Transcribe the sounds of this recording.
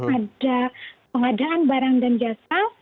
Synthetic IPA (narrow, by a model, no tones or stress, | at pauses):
adapəŋadaʔanbaɾaŋdand͡ʒasa